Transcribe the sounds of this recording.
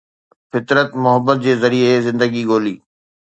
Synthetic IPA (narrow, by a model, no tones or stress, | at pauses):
fɪt̪ɾət̪mʊɦəbːət̪̚d͡ʑeːzəɾiezɪ̃nd̪əɡiɡoːliː